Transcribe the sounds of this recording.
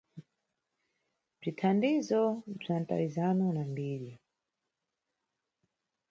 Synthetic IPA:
b͡ʐʷitʰandizɔb͡ʐanta̰wizanunambiːɾi

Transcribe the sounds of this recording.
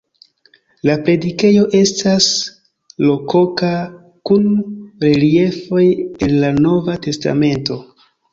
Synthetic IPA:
lapɾe̞dike̞jo̞ʔe̞stas | lo̞ko̞ka | kunɾe̞lie̞fo̞je̞nlano̞vate̞sta̰me̞nto̞

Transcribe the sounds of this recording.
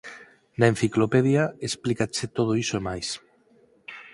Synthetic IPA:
naen̟θiklopeðjaesplikaset̪oð̞oisoemajs

